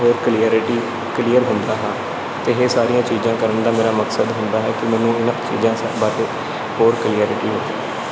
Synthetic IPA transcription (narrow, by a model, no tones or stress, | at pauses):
ɦoːɾkliːəɾɪʈiː | kliːəɾɦʊ̃nd̪aːɦãː | t̪eːɦeːsaːɾijãːt͡ʃiːzãːkəɾəɳd̪aːmeːɾaːməksəd̪ɦʊ̃nd̪aːɦɛːkɪmɛːnũːɪnãːt͡ʃḭːzãːsbaːɾeː | ɦoːɾkəliːəːɾɪʈiːɦʊːd̪iː